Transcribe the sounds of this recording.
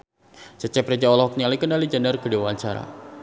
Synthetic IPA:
t͡ʃət͡ʃɛprɛd͡ʒaɔlɔɔk̚nialikənalid͡ʒanərkədewaaɲt͡ʃaɾa̰

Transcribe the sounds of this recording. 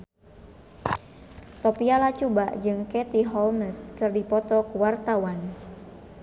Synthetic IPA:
sopialat͡ʃubaʔd͡ʒɨŋkɛt̪iɦɔlməskɨrdipɔt̪ɔkuwart̪awan

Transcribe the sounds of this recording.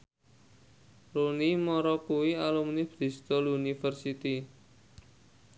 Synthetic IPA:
ɾunimɔɾɔkuwialumnɪb̥ɾi̤st̪ɔlunifərsit̪i

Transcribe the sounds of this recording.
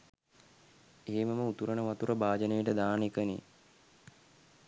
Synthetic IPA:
eɦeməməut̪uɾənəʋat̪uɾəbaːd͡ʒənejəʈəd̪aːnekənḭ

